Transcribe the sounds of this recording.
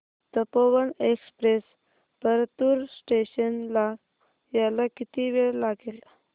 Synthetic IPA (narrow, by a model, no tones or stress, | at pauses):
t̪əpoʋənekspɾes | pəɾt̪uɾsʈeɕənla | jalakit̪iʋeɭlaɡel